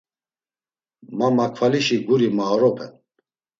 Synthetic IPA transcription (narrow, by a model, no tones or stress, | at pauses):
mamakʰfaliʃiɡuɾimaːɾɔpʰɛn